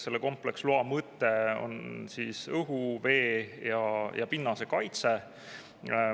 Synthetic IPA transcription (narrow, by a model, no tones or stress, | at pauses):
se̞lːeko̞mple̞ksloɑmɤt̪ːˑeo̰nsisɤɦuve̞ːjɑjʔɑ̰pinːɑse̞kɑjt̪se